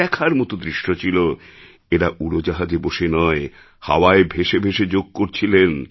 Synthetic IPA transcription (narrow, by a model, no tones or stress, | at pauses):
ɛkʰaɾmɔt̪od̪ɾiʃːot͡ɕʰilo | eɾaʔuɾod͡ʑaɦad͡ʑeboʃenɔe | ha̰waebʱeʃebʱeʃed͡ʑoɡ̚koɾt͡ɕʰilen